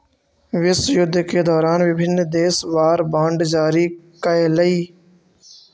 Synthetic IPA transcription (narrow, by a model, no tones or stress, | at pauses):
ʋɪsjʊd̪ʱːkeːd̪ɔːɾaːnʋɪbʱɪnːd̪eːsʋaːɾbãːɳɖd͡ʒaːɾiːkəeːləiː